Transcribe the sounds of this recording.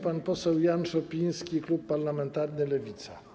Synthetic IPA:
panpɔsɛwjanʂɔpʲij̃skʲiklupːaɾlamɛnt̪aɾnɘlɛvʲit̪sa̰

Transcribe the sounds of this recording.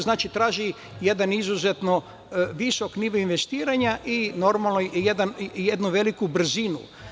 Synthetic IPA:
znaːt͡ʃit̪ɾaːʒi | je̞d̪anizuzet̪no | ʋisokniʋoinʋe̞st̪iːɾaɲaʔino̞ɾmalnojed̪anjed̪nuʋe̞likubr̩zinṵ

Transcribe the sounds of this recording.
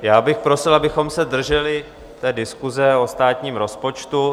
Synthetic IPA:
jaːbɪxpɾo̞sɪlabɪxo̞msɛd̪r̩ʒɛlɪ | t̪ɛːdɪskuzɛost̪aːt̪ɲiːmɾo̞spo̞t͡ʃt̪u

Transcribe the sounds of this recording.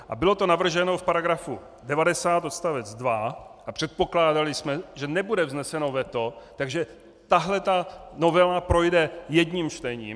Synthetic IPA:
ʔa̰bɪlo̞t̪o̞navr̩ʒɛnofpaɾaɡɾafṵ | dɛvadɛsaːt̪ot̪st̪avɛd͡zdvaʔapr̝̥ɛt̪̚po̞klaːdalɪsmɛʒɛnɛbudɛvznɛsɛno̞vɛt̪o̞t̪aɡʒɛ | t̪aɦlɛt̪ano̞vɛlapɾo̞jdɛjɛdɲiːmt͡ʃt̪ɛɲḭːm

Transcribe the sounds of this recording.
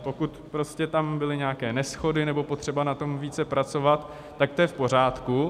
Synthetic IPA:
po̞kut̪pɾo̞scɛt̪ambɪlɪɲaːkɛːnɛsxo̞dɪnɛbo̞pot̪r̝̥ɛbanat̪o̞mviːt͡sɛpɾat͡so̞vat̪ː | ak̚t̪ojɛfpo̞r̝aːt̪ku

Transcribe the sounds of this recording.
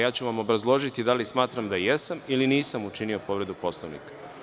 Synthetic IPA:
jaːt͡ɕuʋamo̞bɾazlˠo̞ʒit̪id̪alismaːt̪ɾamd̪ajesamiliniːsamut͡ʃinio̞po̞ʋɾe̞d̪upo̞slˠoʋnḭkḁ

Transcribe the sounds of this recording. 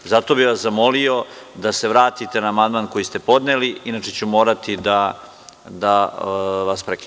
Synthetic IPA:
zat̪o̞biʋaszamo̞lio̞d̪ase̞ʋɾaːt̪it̪e̞naːmand̪maːnko̞jist̪e̞po̞d̪neliinaːt͡ʃet͡ɕumo̞ːɾat̪id̪a | d̪a | ʋaspɾeki

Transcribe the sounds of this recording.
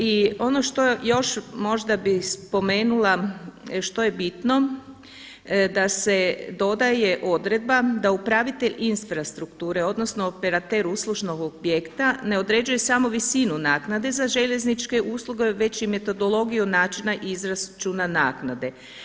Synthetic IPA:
io̞no̞ʃt̪o̞jo̞ʃmo̞ʒd̪abispo̞me̞ːnulaʃt̪o̞je̞bit̪no̞ | d̪ase̞d̪o̞d̪aje̞ʔo̞d̪ɾe̞d̪̚bad̪aupɾaʋit̪e̞ʎinsfɾast̪ɾukt̪uːɾe̞o̞d̪no̞snoopeɾat̪eɾuslˠuʒno̞ɡobjekt̪ane̞o̞d̪ɾe̞ːd͡ʒuje̞samo̞ʋisinunaːknad̪e̞zaʒe̞ʎe̞znit͡ʃke̞ʔuːslˠuɡe̞ʋe̞t͡ɕime̞t̪o̞d̪o̞lˠo̞ɡijunaːt͡ʃinaʔizɾast͡ʃunanaːknad̪e̞

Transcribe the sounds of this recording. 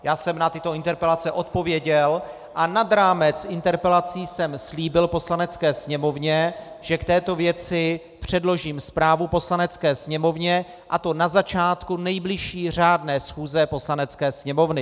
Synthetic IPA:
jaːsɛmnat̪ɪt̪o̞ɪnt̪ɛɾpɛlat͡sɛʔo̞t̪̚po̞vjɛɟɛl | ʔanad̪ɾaːmɛt͡sʔɪnt̪ɛɾpɛlat͡siːsɛmsliːbɪlpo̞slanɛt͡skɛːsɲɛmo̞vɲɛ | ʒɛkt̪ɛːt̪o̞vjɛt͡sɪ | pr̝̥ɛdlo̞ʒiːmspɾaːvupo̞slanɛt͡skɛːsɲɛmo̞vɲɛ | ʔat̪o̞nazat͡ʃaːt̪kunɛjblɪʃiːr̝aːdnɛːsxuːzɛpo̞slanɛt͡skɛːsɲɛmo̞vnɪ

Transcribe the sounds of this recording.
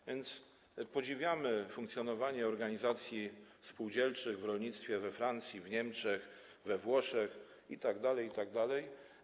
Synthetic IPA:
vʲjɛnt̪s | pɔd͡ʑivʲjamɘfuŋkt̪sʲjɔnɔvaɲɛɔɾɡaɲizat̪sʲjifspuwd͡ʑɛlt͡ʂɘɣvɾɔlɲit̪st̪fʲjɛvɛfɾant̪sʲjivɲɛmt͡ʂɛx | vɛvwɔʂɛx | it̪aɡd̪alɛjit̪aɡ̚d̪alɛj

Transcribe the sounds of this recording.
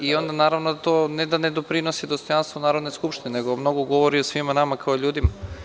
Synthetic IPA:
io̞nd̪anaːɾaʋnod̪at̪onɛd̪aned̪o̞pɾinosid̪ost̪o̞janst̪vonaːɾod̪neskupʃt̪ineneɡomno̞ɡoɡo̞ʋoɾiosʋimanamakaoʎuːd̪ima

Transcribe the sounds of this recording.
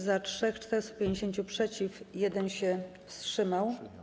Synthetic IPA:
zatʂɛxt͡ʂt̪ɛɾɛst̪u̥pʲjeɲd͡ʑeɕeɲt͡ɕupʂɛt͡ɕifjɛd̪ɛnɕɛfstʂɘmaw

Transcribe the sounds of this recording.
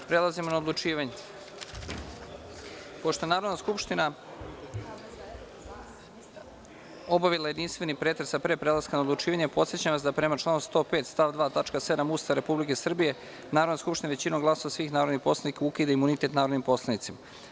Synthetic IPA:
pɾelˠazimo̞naod̪lˠut͡ʃiːʋaɲe | po̞ʃt̪o̞enaːɾo̞d̪naskupʃt̪ina | o̞baʋilˠaje̞d̪inst̪ʋe̞nipɾet̪ɾesapɾeːpɾelˠaskanaod̪lˠut͡ʃiːʋaɲepo̞t̪sjet͡ɕamʋasd̪apɾe̞mat͡ʃlˠaːnust̪o̞ːpe̞ːt̪st̪aʋd̪ʋaːt̪at͡ʃkase̞d̪amust̪aɾe̞publike̞sr̩bije̞ | naːɾd̪naskupʃt̪inaʋet͡ɕinoŋɡlˠaso̞ʋasʋiːxnaːɾod̪nixpo̞slˠanikaukid̪aimunit̪et̪naːɾod̪nimpo̞slˠanit̪sima

